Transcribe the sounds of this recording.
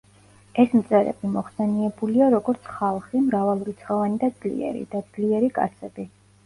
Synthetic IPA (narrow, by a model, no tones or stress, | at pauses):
ɛsmt̪sʼɛɾɛ̰bimɔχsɛniɛbuliaɾɔɡɔɾt̪sʰχalˠχimɾavalˠuɾit̪sʰχɔvanid̪ad̪z̥lḭɛ̰ɾḭd̪ad̪z̥liɛɾikʼa̰t̪sʰɛbi